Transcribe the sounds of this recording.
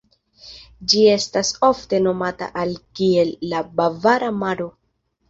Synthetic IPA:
d͡ʒie̞staso̞fte̞no̞mata̰ʔalkie̞lːabavaɾamaɾo̞

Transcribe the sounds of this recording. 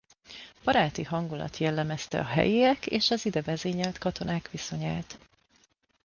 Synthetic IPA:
b̥ɒɾaːt̪iɦɒŋɡulɒ̰t̪jɛlːɛmɛst̪ɛ̰ɒɦɛ̰jiɛkeːʃɒzid̪ɛvɛzeːɲɛlt̪kɒt̪o̞naːkʋiso̞ɲaːt̪

